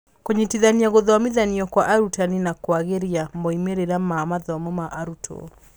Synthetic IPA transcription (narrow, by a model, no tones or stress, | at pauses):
koɲitiðaniaɣoðɔamiðaniɔkwaʔaɾutaninakwaɣeɾiamɔimeɾeɾamaːmaðɔmɔmaʔaɾutʰɔ̰